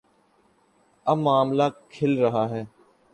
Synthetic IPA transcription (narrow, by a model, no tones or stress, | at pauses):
əmaːmlaːkʰɪlɾəɦaːɦɛː